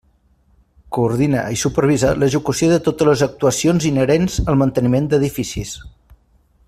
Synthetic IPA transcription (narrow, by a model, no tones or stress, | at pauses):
kuːɾð̞ina̰isupəɾβ̞izaləʒəkusioðət̪ot̪ələzək̚t̪uəsionzinəɾenzəlˠmənt̪ənimend̪əðifisis